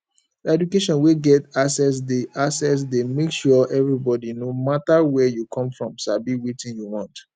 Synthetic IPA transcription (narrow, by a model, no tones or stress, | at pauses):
dɛdukeʃɔ̃nweɡɛtasɛs̬deʔasɛs̬demekʃɔʔɛvɹibɔdinomatawɛjukʰɔ̃mfɹɔ̃mʃabiwitĩnjuwɔ̃nt